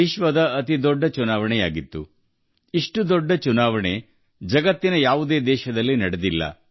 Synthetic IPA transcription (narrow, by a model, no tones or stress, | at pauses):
iʃʋɐd̪ɐɐt̪id̪ɔɖːɐt͡ʃunaːʋɐɳɛjaːɡit̪ːṵ | iʂʈud̪ɔɖːɐt͡ʃunaːʋɐɳe̞ | d͡ʒɐɡɐt̪ːinɐjaːʋud̪eːd̪ɛːʃɐd̪ɐlːinɐɽɐd̪ilːɐ̰